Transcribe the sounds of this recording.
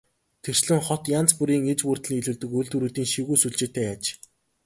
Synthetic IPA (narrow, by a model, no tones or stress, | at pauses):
t̪ʰer̥t͡ɕɮɘ̆ŋχɔt̪jant͡spuɾiːŋet͡ɕpuːr̥t̪ɮiːɮɘ̆ːɮt̪ɘ̆kujɮt̪ŭɾuːt̪iːŋʃiwɣujsuɮt͡ɕeːt̪æːjaːt͡ɕ